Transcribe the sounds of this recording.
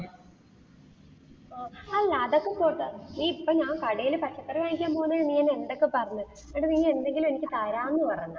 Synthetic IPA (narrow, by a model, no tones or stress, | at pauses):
oaːlaːðokːep̪oːʈ̪ːaiːipːoɲaːŋkɐɽɐjilɨpɐt͡ɕːɐt̪ːɐrɨʋaːnikʲːjaːmpoːnːɐɻniŋːɐːnend̪okːepɐrɐɲːu | eɽuniŋːɐe̞nd̪e̞ŋɡilume̞nikʲːɨt̪aɾaːnːɨpɐrɐjnːa